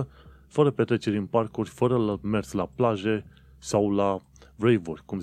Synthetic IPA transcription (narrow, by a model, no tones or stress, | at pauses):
ə | fəɾəpe̞t̪ɾe̞t͡ʃe̞ɾʲɨnparkurʲfəɾəlme̞rslaplaʒe̞ | sawla | vɾejvurʲkum